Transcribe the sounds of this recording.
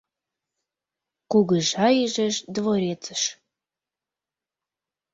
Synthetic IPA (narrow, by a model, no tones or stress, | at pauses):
kuɣəʒɑjiʒə̆ʃd̪voɾʲet͡sə̥ʃ